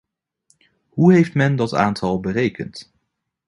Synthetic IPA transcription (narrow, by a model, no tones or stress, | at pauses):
ɦuɦejftmɛndɑta̰ːntʰɑlˠbərejkə̰nt